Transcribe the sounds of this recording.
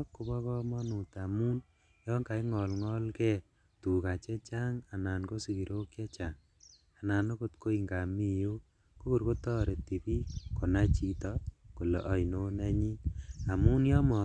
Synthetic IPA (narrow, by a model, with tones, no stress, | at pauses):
ku˨˦bɔ˦kɔ˦mɔ˦nu˨ta˨mu˦n | jɔ˦ŋka˨i˦ŋɔ˨lŋɔ˦lkɛ˦ | tu˨ka˨t͡ʃɛ˦t͡ʃa˦ŋa˨na˨nko˦si˨ki˨ɾʔo˦kja˦t͡ʃa˨ŋ | a˨na˨no˦ko˦tko˦i˨ŋɡa˨mi˦˨jo˦ | ko˦ku˨ɾko˦tɔ˦ɾe˨ti˨pi˦ko˨na˦t͡ʃi˦tɔ˦ko˨le˨ʔɔ˨˦i˨no˦na˦ɲi˦a˨mu˦njɔ˦mɔ˨